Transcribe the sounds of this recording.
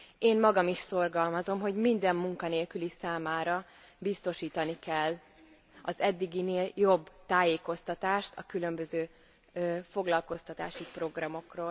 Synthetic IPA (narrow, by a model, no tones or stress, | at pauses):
eːnmɒɡɒmiʃso̞rɡɒlmɒzo̞mɦo̞ɟmind̪ɛmːuŋkɒneːlkylisaːmaːɾɒ | bist̪o̞ʃiːt̪ɒnikɛlː | ɒzɛd̪ːiɡineːljobːt̪aːjeːko̞st̪ɒt̪aːʃt̪ʰɒkylø̞mbøzøː | fo̞ɡlɒlko̞st̪ɒt̪a̰ːʃipro̞ɡrɒmo̞kroːl